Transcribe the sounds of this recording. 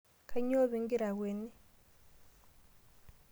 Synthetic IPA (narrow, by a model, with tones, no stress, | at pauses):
kʰa˨˦ɲo˦βi˨˦ŋɡi˦ɾa˨ɣwe˨ni˦